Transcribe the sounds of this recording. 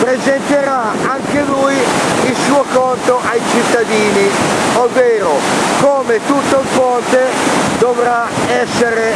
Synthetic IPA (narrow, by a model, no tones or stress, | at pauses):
pɾezɛnt̪eɾa | aŋkelujilsuːokɔnt̪oʔajt͡ʃit̪ːad̪iːniovːeːɾokoːmet̪ut̪ːoɱfɔnt̪ed̪ovɾaɛsːeɾe